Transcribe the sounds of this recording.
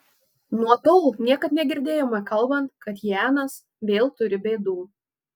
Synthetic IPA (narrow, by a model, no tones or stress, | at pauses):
nuɔt̪oʊlnʲiɛkɐt̪nʲɛɡʲɪɾʲd̪ʲeːjoːmɐkɐlˠˑbɐnt̪kʰɐt̪jæːnɐs | ʋʲeːlˠt̪ʊɾʲɪbʲɛɪd̪uː